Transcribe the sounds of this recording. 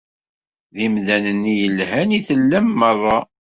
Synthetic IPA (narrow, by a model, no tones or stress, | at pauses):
ðimðænənːijəlhæniθəlːæmːərˤːɑ